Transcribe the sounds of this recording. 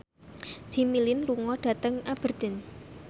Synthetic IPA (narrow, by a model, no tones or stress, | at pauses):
d͡ʒ̥i̤milɪnluŋɔɖ̥a̤t̪əŋab̥ə̤rd̪̥ɛ̤n